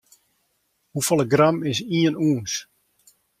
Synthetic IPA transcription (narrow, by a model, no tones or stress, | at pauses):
hufolˠəɡramɪsiənuːəns